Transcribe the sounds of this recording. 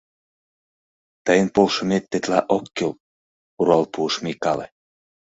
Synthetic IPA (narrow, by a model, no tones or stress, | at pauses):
t̪əjənpolʃə̆met̪ːet̪lɑʔokːel | uɾɑlpuəʃmikɑlḛ